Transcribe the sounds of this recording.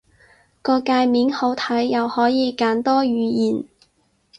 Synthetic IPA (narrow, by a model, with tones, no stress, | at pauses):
kɔː˧kaː˧jmiː˨˥nho˨˥wt̪ʰɐ˨˥jːɐ˨whɔː˨˥jiː˨˧kaː˨˥nt̪ɔː˥ɥyː˨˧jiː˨˩n